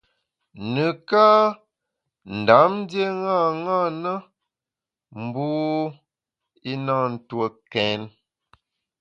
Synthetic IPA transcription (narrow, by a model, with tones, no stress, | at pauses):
nə˨ka˦ | n̩˨da˨˦mn˦dje˦ŋa˦˨ŋa˦˨nə˦ | m̩˦buː˦ | i˦na˦˨n̩˨two˨kɛ˨˦n